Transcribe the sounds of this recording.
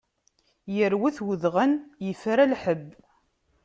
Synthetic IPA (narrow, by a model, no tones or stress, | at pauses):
jəɾwæθwəðʁənjəfɾalħəbː